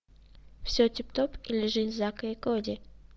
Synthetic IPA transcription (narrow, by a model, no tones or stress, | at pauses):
fsʲotʲɪpt̪opilʲɪʐɨtʲzakəɪkodʲɪ